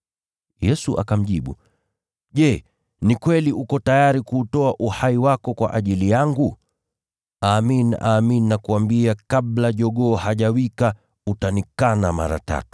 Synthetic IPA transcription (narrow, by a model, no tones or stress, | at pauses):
jɛsuʔa̰kam̩ʄiɓṵ | ʄɛ | nikwɛliʔukɔtajaɾikuːtɔaʔuhaiwakɔkwa̰ʔaʄilijaŋɡu | aːmina̰ːminiːakuambiakaɓlaʄɔɠɔːhaʄawika | utanikanama̰ɾa̰ta̰tu̥